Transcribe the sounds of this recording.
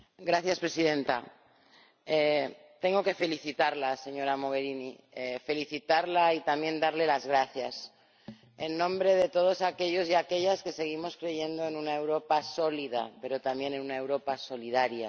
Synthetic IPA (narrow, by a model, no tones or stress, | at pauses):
ɡɾaθjaspɾe̞sið̞e̞nt̪a̰ | e | t̪e̞ŋɡo̞ke̞fe̞liθit̪aɾlase̞ɲo̞ɾamo̞ɣ̞e̞ɾini | efe̞liθit̪aɾlait̪amje̞nd̪aɾle̞lazɣɾaθjas | e̞nːõ̞mbɾe̞ð̞e̞t̪o̞ð̞o̞sake̞ʎo̞siake̞ʎaske̞se̞ɣ̞imo̞skɾe̞ʝe̞nd̪o̞enunae̞wɾo̞paso̞liða̰pe̞ɾo̞t̪ambje̞ne̞nũnae̞wɾo̞paso̞liðaɾja